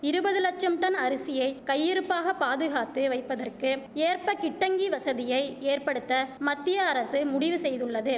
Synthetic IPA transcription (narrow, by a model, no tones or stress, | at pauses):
ɪɾɯbɐðɯlɐk̚t͡ʃɐmʈɐnɐɾɯsɪjɐɪkɐjːɪɾɯpːaːɣɐpaːðɯɣaːt̪ːɯʋɐɪpːɐðɐrkɯeːrpɐkɪʈːɐŋɡiʋɐsɐðɪjɐɪeːrpɐɽɯt̪ːɐmɐt̪ːɪjɐɐɾɐsɯmʊɽɪʋɯsɛjðɯɭːɐðɯ